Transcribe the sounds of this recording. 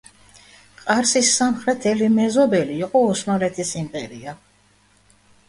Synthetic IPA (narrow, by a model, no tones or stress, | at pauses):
qʼaɾsisːamχɾɛt̪ʰɛlimɛzɔbɛliːqʼɔɔsnɔɾɛt̪ʰisimpʼɛɾia